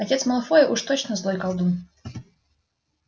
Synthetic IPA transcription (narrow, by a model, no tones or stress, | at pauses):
ɐtʲet̪sməlˠɐfɔjəʔuʂt̪ot͡ɕnəzlˠɔjkɐlˠd̪um